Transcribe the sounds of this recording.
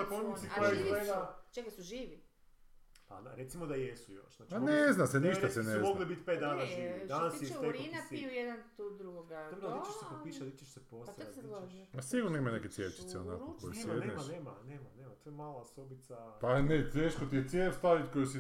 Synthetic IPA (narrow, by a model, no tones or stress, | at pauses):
komisioaeɡat͡ʃekasuʒiːʋi | paɾet̪simod̪ajesujo̰ʃnat͡ʃaneznaseniʃt̪asenezmoɡɡlibit̪pet̪̚d̪aːnaʒiːʋid̪anasiekinaiujed̪ant̪uːd̪ɾuɡoɡaoit͡ʃeʃsepopiʃat̪it͡ʃeʃseposaioʃasiɡuɾnoimaneketsʲjet͡ʃi̥t̪seona̰koojjed̪nemaneːmaneːmaneːmat̪ojemaːlasobit̪sapanet̪eːʃkot̪iet̪sjest̪aɾit̪kojusi